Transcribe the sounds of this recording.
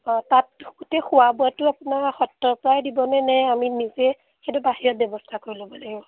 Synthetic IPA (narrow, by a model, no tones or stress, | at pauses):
tatɡutɛxuabuatʊapʊnaɹxɔtːɔpɔɹajdibɔnɛnɛjaminizɛ | xetʊbaɦiɹɔt̚bjɔbɔstʰakoɹilobɔlaɡibɔ